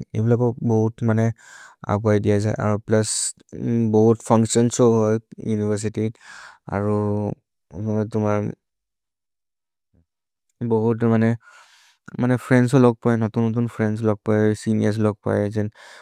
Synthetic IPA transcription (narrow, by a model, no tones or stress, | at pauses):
ebilakɔbɔɦutmanɛa̰ɡuajdijaza̰jʔa̰ɹuplas | bɔɦutpʰaŋsiɔnsɔɦɔjjunivas̬itia̰ɹu | tʊmaɹ | bɔɦutmanɛ | manɛpʰɹɛnsɔlɔɡ̚pajnɔtunːɔt̬unpʰɹɛns̬ɔlɔɡ̚pajsinijas̬lɔɡ̚pa̰jzɛn